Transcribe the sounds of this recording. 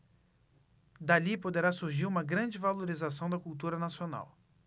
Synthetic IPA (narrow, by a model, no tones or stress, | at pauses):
d̪alipod̪eɾasuɾʒiɾũmɐɡɾɐ̃d͡ʒɪvaloɾizas̬ɐ̃w̃d̪ɐkuwt̪uɾɐnasiona̰w